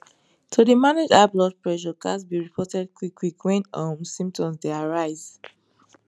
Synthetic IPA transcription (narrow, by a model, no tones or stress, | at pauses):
tʰudimaned͡ʒablɔd̚pɹɛʃɔkasbiɹipʰɔtɛd̚kʰwikʰwikʰwɛ̃nɔ̃msĩmp̚tʰɔ̃msdeaɹaɪz